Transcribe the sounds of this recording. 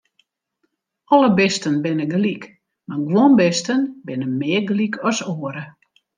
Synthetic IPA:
ɔləbɪstənbɪnəɡlik | maɡwonbɪstənbɪnəmɪəɡlikʰɔsoəɾə

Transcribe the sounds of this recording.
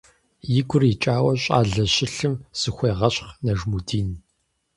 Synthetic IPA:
jɪɡʷʊrit͡ʃʼaːwɐɕʼa̰ːɮɐɕɪɬɨmsɨxʷeːʁɐɕχnɐʒmudiːn

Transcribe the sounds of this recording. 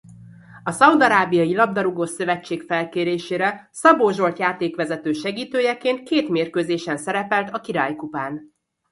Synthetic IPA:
ɒsɒud̪ɒɾaːbijɒjilɒb̚d̪ɒɾuɡoːsøvɛt͡ʃːeːkfɛlkeːɾeːʃeːɾɛ | sɒboːʒo̞lt̪jaːt̪eːkʋɛzɛt̪øːʃɛɡiːt̪øːjɛkeːnt̪̚keːt̪meːrkøːzeːʃɛnsɛɾɛpɛlt̪ɒkiɾa̰ːjkupaːn

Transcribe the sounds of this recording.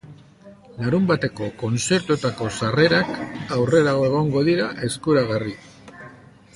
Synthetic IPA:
laɾumbat̪e̞ko̞ko̞nt͡se̞ɾt̪ut̪ako̞sare̞ɾakawre̞ɾaɣoe̞ɣ̞o̞ŋɡo̞ðiɾaʔe̞skuɾaɣ̞ari

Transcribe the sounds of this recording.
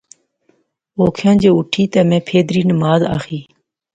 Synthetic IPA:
oːkʰjãːd͡ʒeːʊʈʰiːt̪eːmẽːpʰeːd̪ɾiːnəmaːza̰ːxiː

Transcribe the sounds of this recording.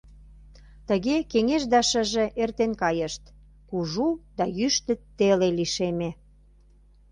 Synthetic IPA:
t̪ə̆ɣekeŋeʃd̪ɑʃə̆ʒĕʔert̪enkɑjəʃt̪ | kuʒud̪ɑjyʃt̪ə̆tt̪ːeleliʃeme

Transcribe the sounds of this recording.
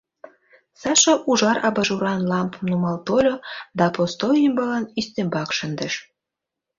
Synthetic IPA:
sɑʃɑʔuʒɑɾɑbɑʒuɾɑnlɑmpəmnumɑlt̪olʲod̪ɑpost̪ojəmbɑlɑnist̪embɑkʃənd̪ə̆ʃ

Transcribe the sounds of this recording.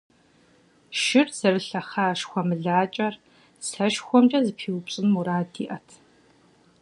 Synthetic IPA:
ʃɪrz̥ɐrɨɬɐχaːʃxʷɔmɨɮaːt͡ʃʼɐr | sɐʃxʷɔmt͡ʃʼɐzɨpʰiːwpɕʼɪnuɾaːdiːʔɐtʰ

